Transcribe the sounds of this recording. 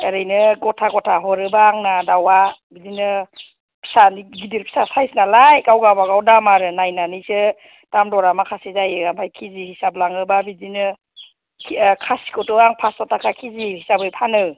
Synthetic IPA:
əɾɯjnɯɡɔtʰaɡɔtʰaɦɔɾɯbaːŋnadawabidinɯ | pʰi̥saniɡidiɾpʰi̥sasajsnalajkawɡabaɡawdamaɾɯnajnanisɯ | tamdɔɾamakʰasizajɯɡampʰajkʰizihisablaŋɯbabidinɯ | kʰkʰasi̥kɔtɔaŋpʰastɔtʰakʰakʰizihisabɯjpʰanɯ

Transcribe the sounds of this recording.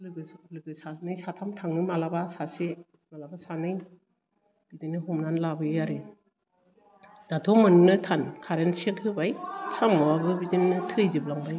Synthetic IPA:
lɯɯlɯɡɯsanɯjsatʰamtʰaŋnɯmalabasase | malabasanɯj | b̥idinɯɦumnanlabɯjaɾɯ | d̥atʰɔmɯnnɯtʰankʰaɾensekhɯbajsamɔwabɯbidinːɯtʰɯjziblaŋbaj

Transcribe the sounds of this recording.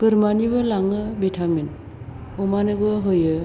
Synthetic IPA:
ɡ̥ɯɾmanibɯlaŋɯbitʰament | ɔmanɯɡɯɦɯjɯ

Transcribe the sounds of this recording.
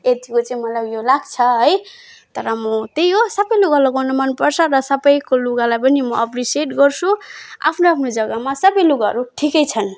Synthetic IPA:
et̪ikot͡saĩmʌlaɡjolaɡt͡sʰʌɦʌj | t̪ʌɾʌmʌt̪ejosʌbʌjluɡalʌɡawnʌmanpʌrt͡sʰʌɾʌsʌbʌjkoluɡalajpʌnimʌʌpriseʈɡʌrt͡sʰua̰pʰnoapʰnod͡zʌɡʌmasʌbʌjluɡaɦʌ̰ɾuʈʰikʌjt͡sʰʌn

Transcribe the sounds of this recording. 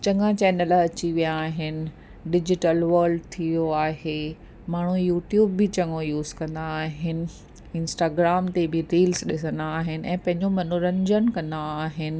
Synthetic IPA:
t͡ɕɐ̃ŋãt͡ɕɛːnəlɐt͡ɕiʋijaːɦɪnɪ̆ | ɖɪd͡ʑɪʈəlʋɐɾɖt̪ʰijoaːɦe | maːɳ̤ujuːʈjuːbːɪt͡ɕɐ̃ŋɡõjuːzkɐ̃nd̪aːɦɪnɪ̆ | ɪ̃nsʈaːɡɾaːmt̪ebɪɾiːlsɗɪsənd̪aːɦɪnɪ̆ʔɛ̰̃ːpɐ̃ɦɪ̃ɲd͡ʑomɐnʊɾə̃ɲd͡ʑənkɐ̃nd̪aaːɦɪnɪ̆

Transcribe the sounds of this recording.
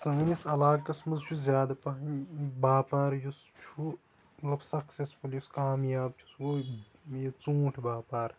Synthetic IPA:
sunisɐlaːkɐsmɐzt͡ʃʰuzʲjaːd̪ɐpɐɦɐnbaːpaːɾjust͡ʃʰu | ʋɐbsɐksesfuljuskaːmjaːb̚t͡ʃʰu̥swo | jɐt͡sũːʈʰbaːpaːɾ

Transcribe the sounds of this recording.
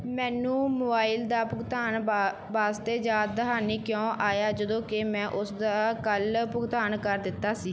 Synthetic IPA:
mɛ̃ːnũːmʊːaːɪld̪aːpʊɡt̪aːn | baːst̪eːd͡ʒaːd̪̚d̪əɦaːniːkjõːʔaːjaːd͡ʒəd̪õːkɪmɛ̃ːʔʊsd̪aːkəlpʊɡt̪aːnkəɾd̪ɪt̪ːaːsiː

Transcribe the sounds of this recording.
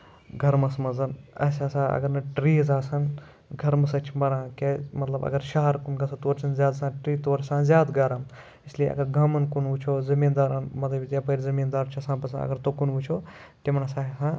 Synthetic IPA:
ɡʱɐɾmɐsmɐzɐnɐ̰sʲasãːɐ̰ɡɐɾnɐʈɾiːzaːsɐn | ɡʱɐɾmɐsɐt͡ʃʰmɐɽãːkemɐt̪lɐbɐ̰ɡɐɾʃaɦɐɾkunɡɐsʰɐt̪oːɾt͡ʃʰɐnzʲjaːd̪sãːʈɾiːt̪oːɾsãːzʲjaːd̪ɡɐɾɐm | isliḛʔɐ̰ɡɐɾɡɐmɐnkunʋut͡ʃʰoːzɐmiːnd̪aːɾɐnmɐt̪ɐbʲit̪ʲjapɐɾzɐmiːnd̪aːɾt͡ʃʰɐsãːpɐsʰã̰ɐ̰ɡɐɾt̪okunʋut͡ʃʰoː | timɐnɐsaːsãː

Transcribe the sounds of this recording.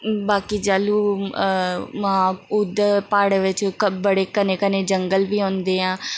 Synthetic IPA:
baːkiːd͡ʒaːluː | mãːʊd̪əpaːɽeʋɪt͡ʃkbəɽeːkəneːkəneːd͡ʒəŋɡəlʋiːɦõːnd̪eːɦãː

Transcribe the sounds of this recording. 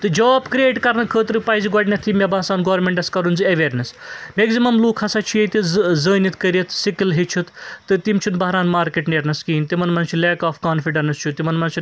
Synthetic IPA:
t̪ɨd͡ʒɔːbkɾieːʈkɐɾnɐkʰəːt̪ɾɨpajziɡɐɽʲnʲɐt̪ʰimʲebãːsaːnɡoːʋɐɾmʲeɳʈɐskɐɾunzɨɐʋeːɾnɐsmeɡzimɐmluːkʰɐsat͡ʃʰiet̪ʲizəːnit̪ʰkəɾijɐt̪ʰsikilɦet͡ʃʰut̪ʰt̪ɨt̪imt͡ʃʰunbɐɦɾaːnmaːɾkeʈneɾnɐskiːnt̪imɐnmɐnt͡ʃʰuleːkaːfʰkaːnfʰiɖɐnɐst͡ʃʰut̪imɐnmɐnt͡ʃʰin

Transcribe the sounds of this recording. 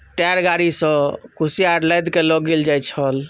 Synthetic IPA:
ʈaɾɡaɾisə̃kusiaɾləjd̪kelɔɡeld͡ʒajt͡ʃʰəl

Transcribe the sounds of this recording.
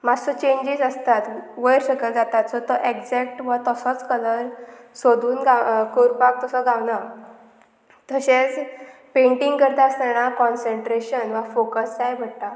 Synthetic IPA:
mad͡zsɔt͡ɕeɲd͡ʑid͡zəst̪at̪ʋəjɾɕəkəld͡zat̪at̪sɔt̪ɔʔekd͡zɛkʈʋət̪əsɔt͡skələɾsod̪ʱuːnɡakoɾpak̚t̪əsɔɡãwna | t̪əɕet͡speɳʈiŋɡkəɾt̪aəsnənakɔnseɳʈɾeɕənʋafokəskajbʱəɽt̪a

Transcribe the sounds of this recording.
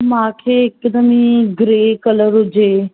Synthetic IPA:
mãːkʰeːɪkd̪əmiɡɾeːkələɾɦʊd͡ʒeː

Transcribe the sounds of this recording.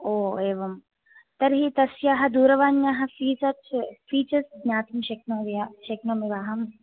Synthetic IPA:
oːeːʋɐm | t̪ɐɾɦit̪ɐsjaːɦɐd̪uːɾɐʋaːnjaːɦɐfiːsɐt͡ʃfiːt͡ʃɐsnʲaːt̪ʰimʃɐknoːʋiaʃeknoːmiʋaːɦɐm

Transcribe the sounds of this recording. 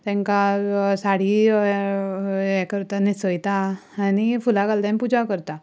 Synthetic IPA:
t̪ɛ̃ŋkasaɽ̤i | ɛkəɾt̪anisəjt̪aanifulakalt̪anpud͡ʒakəɾt̪a

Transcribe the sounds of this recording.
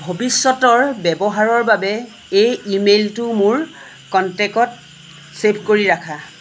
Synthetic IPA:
bʱobisːɔtɔɹbɛbɔɦaɹɔɹbabɛ | ejimeltʊmʊɹ | kɔntɛkɔt̚ | sepʰkoɹiɹakʰa

